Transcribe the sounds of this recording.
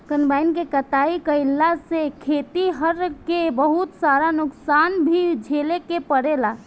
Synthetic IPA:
kənbajnkekət̪aikəɪlːasekʰet̪iɦəɾkebəɦut̪saɾanuksanbʱid͡ʒʱelekepəɽela

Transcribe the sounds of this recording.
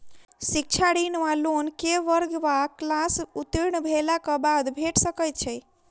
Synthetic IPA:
sik̚t͡ʃʰaɽinʋalonkeʋəɾɡʋaklasut̪ɾiɳ̃bʱelakɔbad̪bʱeʈsəkəjt̪̚t͡ʃʰəj

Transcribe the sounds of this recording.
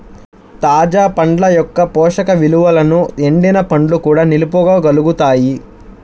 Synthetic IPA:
t̪aːd͡ʒaːpɐɳɖlɐjɔkːɐpɔːʂɐkɐʋiluʋɐlɐnueɳɖinɐpɐɳɖlukuːɽaːnilupɔɡaːɡɐluɡut̪aːji

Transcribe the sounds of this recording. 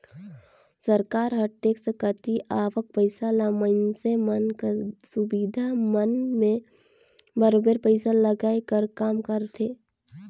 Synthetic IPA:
səɾkaːɾɦəʈːeːksekət̪iʔaːʋək̚pəɪsalaməɪnsemənksʊbiːd̪ʱamənmẽ | bəɾoːbəɾpəɪsaləɡaːekəɾkaːmkəɾt̪ʰeː

